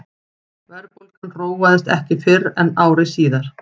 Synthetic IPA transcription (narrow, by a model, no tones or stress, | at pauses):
vɛɾpolkanroːwvaðɪst̪ɛhcɪfɪɾɛnaːwɾɪsiːðaɾ̥